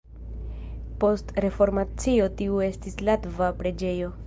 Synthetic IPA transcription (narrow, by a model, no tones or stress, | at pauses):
po̞stɾe̞fo̞ɾmat͡sio̞tiue̞stislatvapɾe̞d͡ʒe̞jo̞